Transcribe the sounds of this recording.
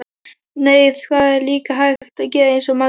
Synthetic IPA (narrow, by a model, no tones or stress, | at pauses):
neːjðkʰvaːðɛɾliːkaɦat̪aðcɛːðejnsɔma